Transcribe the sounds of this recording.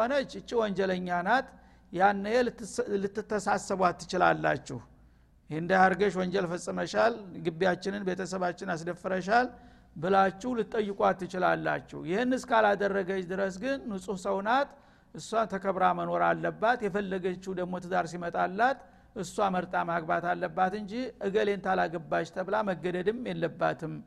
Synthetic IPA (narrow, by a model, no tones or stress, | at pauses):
onət͡ʃːɨt͡ʃʼːiwɔnd͡ʒɛləɲːanat̪ | janːəjɛlɨt̪ːɨt̪ːəsasːəβwat̪ːɨ̥t͡ʃɪla̰lːa̰t͡ʃːɛ̰h | jnd̪ajaɾɡəʃwɔɲd͡ʒɛlfəsʼɨməʃalɡɨbːijat͡ʃːɪnɨnbe̞t̪ʰəsəβat͡ʃːɪnas̬d̪əfəɾəʃ̬al | bɨlat͡ʃːɛwlɨt̪ʼːəjːɪkʼwat̪ːɨt͡ʃɪlalːa̰t͡ʃːɛ̰wjɪhɨnɨskalad̪ərːəɡət͡ʃd̪ɨɾəs̬ɡɨnːusʼusəwnat̪ | ʔɨsːat̪ʰəkʰəβɾaməno̞ɾalːəbːat̪jɛfəlːəɡət͡ʃːud̪əɡmo̞t̪ʰɨzaɾsimət̪ʼalːat̪ | ʔɨsːuaməɾt̪ʼamaɡbat̪alːəbːat̪ɨɲd͡ʒiʔɨɡəlent̪ʰalaɡəbːat͡ʃt̪ʰəβlaməɡːəd̪əd̪ɨmjɛlːəbːa̰t̪ʰɨm